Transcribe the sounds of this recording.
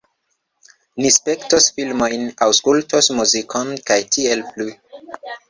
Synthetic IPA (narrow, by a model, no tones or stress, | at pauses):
nispektosfilmojnawskultosmuzikʰonkajtʰielplu